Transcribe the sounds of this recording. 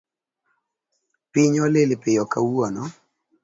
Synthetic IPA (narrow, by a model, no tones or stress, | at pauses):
pɪɲɔlelepɪjɔkawɔnɔ